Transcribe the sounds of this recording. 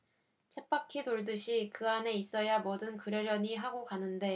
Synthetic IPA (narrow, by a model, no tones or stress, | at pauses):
t͡ɕʰep̚p͈akʰitoɭdɯɕʰikɯane̞is͈ʌjamʌdɯnkɯɾjʌɾjʌɲiɦaɡokanɯnde̞